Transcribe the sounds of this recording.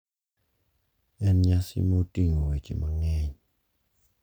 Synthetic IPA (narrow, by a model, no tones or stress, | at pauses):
ɛnɲasḭmotiŋowet͡ʃemaŋɛɲ